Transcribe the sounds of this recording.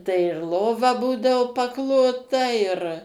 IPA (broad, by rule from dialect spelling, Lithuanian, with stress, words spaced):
tɐɪ ɪr ˈlˠoːʋɐ ˈbuːdɐʋoː pɐˈklˠoːtɐ ɪr